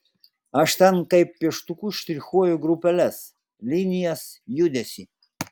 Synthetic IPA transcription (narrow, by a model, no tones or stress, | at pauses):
aʃt̪ankajpːeʃt̪ukuʃt̪iɾʲxojuɡɾupɛlɛs | linʲijasjud̪esʲi